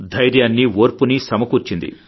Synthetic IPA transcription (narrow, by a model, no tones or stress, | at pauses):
d̪ʱɐjɾjaːnːioːɾpunisɐmɐkuːɾt͡ʃind̪ḭ